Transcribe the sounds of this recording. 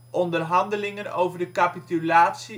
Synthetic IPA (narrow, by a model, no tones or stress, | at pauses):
ʔɔndərɦɑndəlɪŋənowvərdəkapitylaːtsi